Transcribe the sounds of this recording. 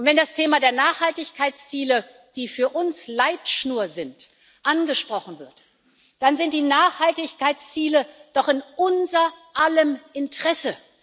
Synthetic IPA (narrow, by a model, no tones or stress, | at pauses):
ʊntv̥ɛndastʰeːmadeːɐnaːχhaltɪçkʰaɪt͡st͡siːlə | d̥iːfyːɐʔʊnslaɪtʃnuːɐzɪnt | ʔanɡəʃpʁ̥ɔχn̩vɪɐt | d̥anzɪnt̚d̥iːnaːχhaltɪçkaɪt͡st͡siːləd̥ɔχɪnʔʊnzɐʔaləmʔɪntʁ̥ɛsə